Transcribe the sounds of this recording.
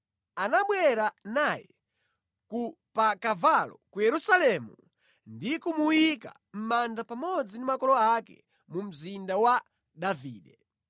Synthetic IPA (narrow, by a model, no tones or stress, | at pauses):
anaɓwɛɾanajɛ | ku | pakavalɔkujɛɾusalɛmu | ndikumuwika̰ | m̩mandapamɔd͡zindimakɔlɔakɛ̰ | mum̩zindawa | ɗaviːɗɛ